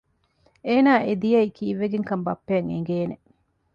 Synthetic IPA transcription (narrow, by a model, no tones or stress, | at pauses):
eːnaːʔed̪ijɐikiːʋːeɡeŋkɐmbɐpːeɐŋḛŋɡeːne